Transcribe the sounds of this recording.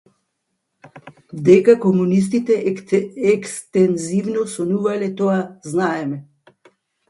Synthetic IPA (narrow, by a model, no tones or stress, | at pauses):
d̪eːkakɔmunis̬t̪it̪ɛɛkst̪ɛnziwnɔsɔnuːʋalɛt̪oaznaːjɛmɛ